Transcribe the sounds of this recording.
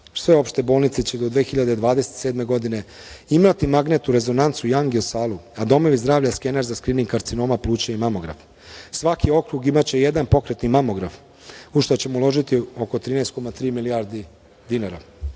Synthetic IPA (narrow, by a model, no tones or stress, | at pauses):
sʋe̞o̞pʃt̪e̞bo̞ːlˠnit̪set͡ɕe̞d̪o̞d̪ʋeːxiʎad̪ed̪ʋaːd̪eset̪seːd̪me̞ɡo̞d̪ine̞ | imat̪imaɡnet̪uɾe̞zo̞nant̪sujaŋɡiosaːluad̪o̞mo̞ʋizd̪ɾaːʋʎaskeneɾzaskɾiːniŋkːaɾt̪sino̞ːmapluːt͡ɕaimamo̞ɡɾa̰f | sʋakʰio̞kɾuɡimat͡ɕe̞je̞d̪anpo̞kɾe̞t̪nimamo̞ɡɾaf | uʃt̪ot͡ɕe̞moulˠo̞ʒit̪io̞ko̞t̪ɾiːnejst̪̚komat̪ɾiːmilijaɾd̪i | d̪inaɾa